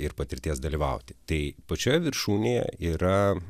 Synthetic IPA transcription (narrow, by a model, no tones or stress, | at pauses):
ɪɾpɐt̪ʲɪɾʲt̪ʲiɛsd̪ɐlʲiːʋɐʊt̪ʲɪ̥t̪ɐɪpɐt͡ʃʲoːjɛʋʲɪɾʃuːnʲejɛ̰iːɾɐ